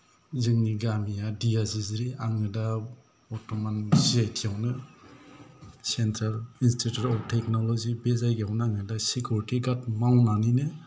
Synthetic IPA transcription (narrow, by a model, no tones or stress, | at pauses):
zɯŋniɡamijadijaziziɾiaŋɯda | ɔtɔmanziajtʰijawnɯ | sentʰɾalinstʰitutɔp̚tʰeknɔlɔzibezajɡeawnɯaŋɯdasikʰjuɾitiɡat̚mawnaninɯ